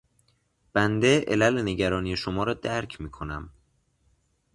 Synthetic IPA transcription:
b̥ænd̪eʔḛlæleneɟæɾɒːniːje̞ʃomɒːɾɒːd̪æɾcʰmiːkʰo̞næm

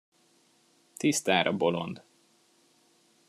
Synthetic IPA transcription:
t̪ist̪aːɾɒbo̞lo̰nd̪

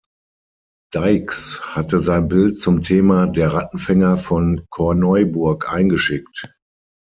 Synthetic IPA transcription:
d̥aɪkshatəzaɪnbɪlt̚t͡sʊmtʰeːmadeːɐʁatn̩fɛŋɐfɔnkʰɔɐnɔʏbʊɐkʔaɪnɡəʃɪkt

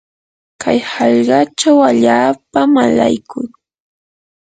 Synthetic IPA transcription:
kʰajhɑʎɢɑʈ͡ʂawaʎaːpamala̰jkʊŋ

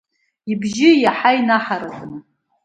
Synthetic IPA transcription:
ibʒɪjaħainaħaɾakʼnɨ

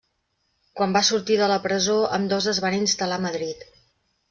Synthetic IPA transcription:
kwambasuɾt̪iðələpɾəzoəmd̪ɔzəzβaninst̪əlaməðɾit̪

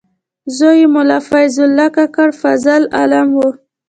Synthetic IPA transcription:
zojimʊlafajzʊlːakakaɽfazala̰lamwo

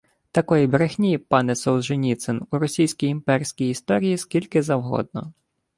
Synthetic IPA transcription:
t̪ɐkɔjibɾexʲnʲipɑnɛsɔw̪ʒenʲit̪senuɾɔsʲijsʲkʲijimpɛɾʲsʲkʲijist̪ɔɾʲijiskʲilʲkɪzɐwɦɔ̰d̪̚nɔ

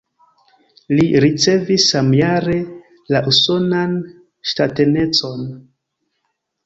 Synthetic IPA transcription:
liɾit͡se̞visːamjaɾe̞ | laʔuso̞nan | ʃtate̞ne̞t͡so̞n

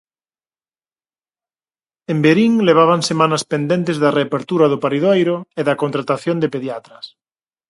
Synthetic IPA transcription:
embeɾiŋleβ̞aβ̞aŋsemanaspend̪ẽnt̪ezðareapeɾt̪uɾaðopaɾiðajɾoeðakont̪ɾat̪aθjond̪epeðjat̪ɾɐs

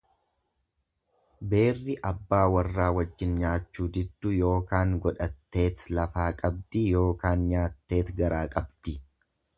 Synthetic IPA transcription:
be̞ːrːɪʔɐbːaːwɐrːaːwɐd͡ʒːɪnɲaːt͡ʃːuːd͡ʒ̪ɪd̪ːʊjo̞ːkaːŋɡɔᶑɐt̪ːe̞ːt̪lɐfaːkʼɐb̚d̪ijo̞ːkaːnɲaːt̪ːe̞ːt̪ɡɐɾaːkʼɐbd̪̥ɪ

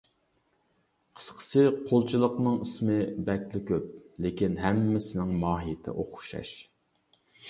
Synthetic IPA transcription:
qʰə̥sqʰə̥sɨqʰolˠt͡ʃʰilˠəqnɨŋəsmɨbɛk̪lɪkʲʰøp̚lɪkʲinɦɛmːɪsɪnɪŋmɑːɦijɪt̪ʰɪ̰ʔoqʊ̥ʃɑ̰ʃ

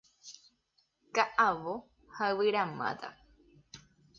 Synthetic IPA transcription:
kaʔaʋo | haɨwɨɾamã̰t̪a̰

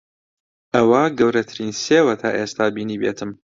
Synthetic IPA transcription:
ʔɐwaɡɐwɾɐt̪ʰɨɾinseːwɐt̪ʰaːʔeːst̪ʰaːbiːniːbeːt̪ʰɨm

